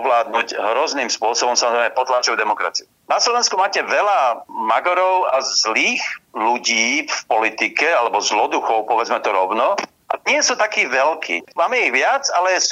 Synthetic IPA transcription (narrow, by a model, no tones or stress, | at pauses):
ʋlaːd̪̚nuɟɦɾɔzniːmspʊɔsɔbɔmsamɔzɾɛjmɛpɔt̪lat͡ʃɔʊd̪ɛmɔkɾa̰t͡siu | naslɔʋɛnskumaːcɛʋɛlamaɡɔɾɔʊazliːxluɟiːfpɔlit̪ikɛalɛbɔzlɔd̪uxɔʊpɔʋɛd͡zmɛt̪ɔɾɔʊnɔ | ʔa̰ɲɪɛsut̪akiːʋɛlkʰḭːmaːmɛiɣʋɪat͡salɛjɛs